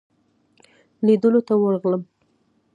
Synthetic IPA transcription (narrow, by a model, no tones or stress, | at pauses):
lid̪əlot̪awəɾɣləm